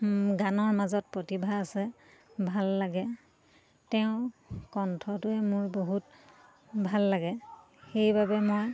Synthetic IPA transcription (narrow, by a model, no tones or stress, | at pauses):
ɡanɔɹmazɔt̚pɹotibʱaːsɛ | bʱalːaɡɛ | tɛʊ̃kɔntʰɔtʊɛmʊɹboɦut̚ | bʱalːaɡɛ | xejbabɛmoj